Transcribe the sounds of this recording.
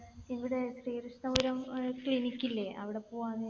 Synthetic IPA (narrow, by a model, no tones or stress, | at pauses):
iʋiɽe̞sriːɾuʂnɐʋoɾɐmkɭinikʲːilːeʔɐ̰ʋiɽe̞poːɣaːnːe